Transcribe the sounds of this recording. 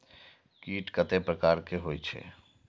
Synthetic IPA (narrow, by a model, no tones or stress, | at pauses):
kiːʈkət̪epɾəkaːɾkeɦoːjt͡ʃʰḛ